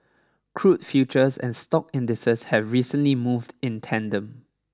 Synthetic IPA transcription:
kʰɹut̚fjut͡ʃəsɛ̰̃nstɔkɪ̃ndɪsəshɛvɹiːsə̃nlimuvdɪ̃ntʰɛ̃ndə̃m

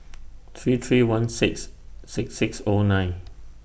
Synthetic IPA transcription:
t̪ʰɹiːt̪ʰɹiːwãnsɪksːɪksɪksonãɪ̃n

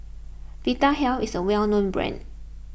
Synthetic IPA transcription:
v̥itaɦɛlfisəwɛlnõnbɹɛ̰̃n

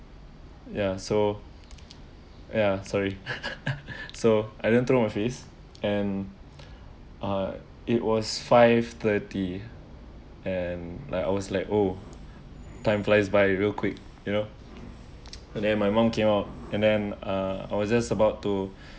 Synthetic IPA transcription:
jaso | jasɔɹi | soajdɪdə̃nt̪ɹomajfes | ɛ̃n | ʔʌ | iʔ̚wɔsfaɪvt̪əti | ɛ̃nla̰ɪka̰ɪwɔslaɪko | tãɪ̃mflaɪsbaɪwilkʰwik̚ | juno | dɛ̃nmajmãmkʰẽmaʊt̚ɛ̃ndɛ̃nʌa̰ɪwɔsd͡ʒasəbaʊtːu

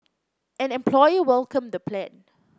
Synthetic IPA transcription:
ʔɛ̃nɛ̃mpʰlɔjəwɛlkə̃md̪əpʰlɛ̃n

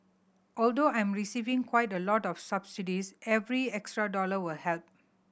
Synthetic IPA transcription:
ʔɔldoãj̃mɹisivĩŋkʰwaɪtəlɔtɔfsabsidisɛvɹiɛkstɹadɔləwɪlhɛlp̚

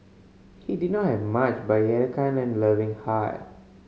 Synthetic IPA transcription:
hididnɔthɛvmat͡ʃbaɪɛɾikʰãnɛ̃nləːʋĩŋhaɪ

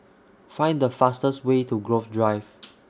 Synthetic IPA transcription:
fãj̃ndəfastəstwetʰuɡɹofdɹaɪv

